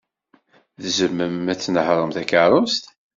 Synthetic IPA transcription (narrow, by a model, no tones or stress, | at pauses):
ðzəmːəmæt͡sːnəhɾˤəmθækaɾˤost̪